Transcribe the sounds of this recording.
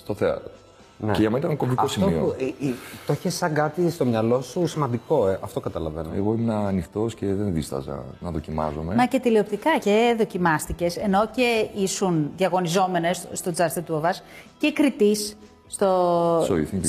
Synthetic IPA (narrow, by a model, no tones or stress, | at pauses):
st̪o̞θeɐ̰t̪ɾo | neceʝɐmenit̪ɐnɐkoviko̞fsimoio | t̪oçesɐŋɡɐt̪ist̪o̞mɲɐlo̞susimɐnd̪iko̞eʔɐft̪o̞kɐt̪ɐlɐvḛnoḛɣo̞imenɐːnixt̪o̞sce̞ðenðist̪ɐ̰zɐ̰nɐðo̞cimɐ̰zome̞mɐce̞t̪ilio̞pt̪ikɐce̞ðo̞cimɐst̪ice̞se̞no̞ce̞isunðʝɐɣo̞nizo̞me̞ne̞sst̪o̞d͡zɐst̪et̪uvɐsce̞kɾit̪isː | t̪osoiθi